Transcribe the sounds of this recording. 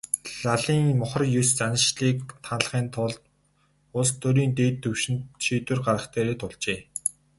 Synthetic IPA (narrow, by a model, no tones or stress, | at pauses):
ɮaɮiːŋmʊχɞ̆rjɵst͡sanə̆ʃɮiːkt̪ʰan̆ɮχiːnt̪ʰʊɮt̪ | ʊɮst̪ʰɵɾiːnt̪eːt̪ʰːɵwʃɪ̆nt̪ʃiːt̪wɘ̆rɢaɾə̆χt̪ʰeːɾeːt̪ʊɮt͡ɕeː